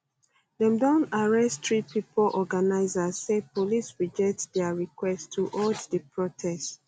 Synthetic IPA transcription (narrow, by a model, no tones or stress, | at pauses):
dɛ̃mdɔ̃naɹɛsttɹipipʰolʔɔɡanaɪzazːepʰolisɹid͡ʒɛtdɛaɹikwɛstʰuʔɔddəpʰɹɔtʰɛst